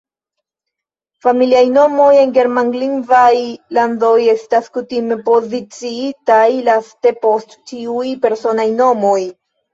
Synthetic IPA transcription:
familiajno̞mo̞je̞nɡe̞ɾmaŋɡliŋvajlando̞je̞staskutime̞po̞zit͡siitajlaste̞po̞stːiujpe̞ɾso̞najno̞mo̞j

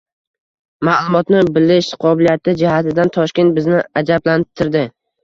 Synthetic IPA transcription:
malˠʊmɒt̪nɪbɪlɪʃqʰɒbɪlijat̪ʰɪd͡ʒɪhat̪ʰɪd̪ant̪ʰɒʃkʲet̪̚bɪznɪad͡ʒablant̪ʰɪɾd̪ɪ

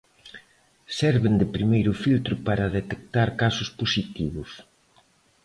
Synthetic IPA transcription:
sɛɾβɪnd̪ɪpɾimejɾʊfilt̪ɾʊpaɾɐðet̪ek̚t̪aɾkasʊsposit̪iβʊs

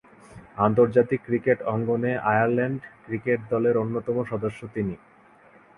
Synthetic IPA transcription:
ant̪oɾd͡ʑat̪ikːɾikeʈɔŋɡoneʔajaɾlɛɳɖkɾikeʈ̚d̪ɔleɾonːot̪ɔmoʃɔd̪oʃːot̪ini

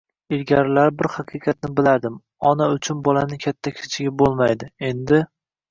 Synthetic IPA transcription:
ɪlɡʲaɾɪlaɾbɪɾhɑqʰɨqʰɑt̪̚nɪbɪlaɾd̪ɪm | ɒnaʊt͡ʃʰʊnbɒlanɪkʲʰat̪ʰːakʲʰɪ̥t͡ʃʰɪɡʲabolˠmajd̪ɪe̞nd̪ɪ

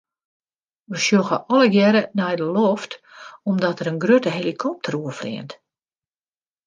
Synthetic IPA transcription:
ʋəʃjoxəʔɔləɡjɛɾənɛjdəlɔftɔmdɔtəɾənɡrøtəɦelikʰɔp̚tʰəruəflɪ̰ənt

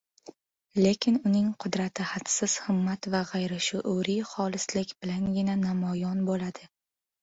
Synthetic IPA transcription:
le̞kʲʰɪnʊnɪŋqʰʊd̪ɾat̪ʰɪhat̪sɪz̥hɨmːat̪vaʁajɾaʃʊʔʊɾijχɒlˠɪslɪkʲbɪlanɡʲɪnanamɒjɒnbolad̪̥ɪ

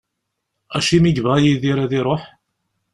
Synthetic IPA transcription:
æʃimiʝvæʁjiðiɾæðiɾˤoħ

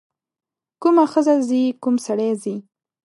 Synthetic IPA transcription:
kumaxəzazikumsaɽezi

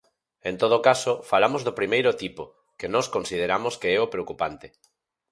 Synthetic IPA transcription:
ent̪oð̞okasofalamozðopɾimejɾʊt̪ipo | kenɔskõnsiðeɾamoskeɛopɾeokupant̪e

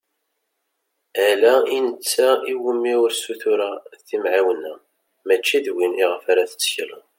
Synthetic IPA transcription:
ælæinət͡sːæiwəmːiʊɾsuθuɾæθimʕawənːæ | mæt͡ʃːiðwiniʁəfaɾaθə̥t͡sːçlə̰n

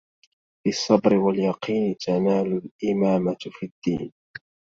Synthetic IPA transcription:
fisˤːɑbɾɪwaljɑqiːnɪt̪ʰanaːlʊlʔɪmaːmafid̪ːḭːn

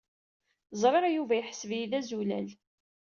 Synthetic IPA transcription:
zˤɾeɾɑjuvæjħəsəvjiðæzulæ̰l

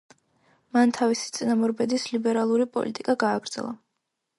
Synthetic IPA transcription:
mant̪ʰavisi̥t̪sʼinamɔɾbɛd̪islibɛɾalˠuɾipʼɔ̰lʔḭt̪ʼikʼaɡaːɡ̥ɾd̪zɛ̰lˠa̰

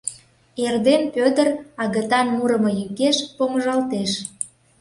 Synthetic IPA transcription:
erd̪enpød̪ərɑɣət̪ɑnmuɾəmɤjykeʃpoməʒɑlt̪eʃ

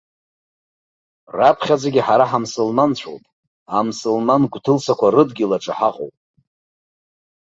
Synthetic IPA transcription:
rapʰχʲad͡zaɡʲiħaɾaħamsɨlmant͡ɕʷʰo̰pʼ | amsɨlmanɡʷʼtʰɨlsakʷarɨdɡʲɪlaʈ͡ʂʼa̰ħaqʼo̰wpʼ

